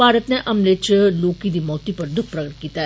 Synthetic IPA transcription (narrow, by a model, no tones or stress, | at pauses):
bʱaːɾət̪neʔɐmlet͡ʃloːkid̪iːmɔːt̪ipɐɾd̪ʊk̚ʰpɾɐɡəʈ̚kiːt̪aɦ